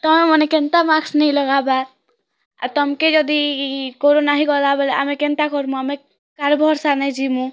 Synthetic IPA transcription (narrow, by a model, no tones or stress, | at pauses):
t̪ɔmemɔnekent̪amaksnɛĩlɔɡabaɾ | a̰t̪ɔmked͡ʒɔd̪ikoɾonaɦiɡɔlabɛlea̰mẽkent̪akɔɾmũamẽ | kaɾbʱɔɾsanɛĩd͡ʒimũ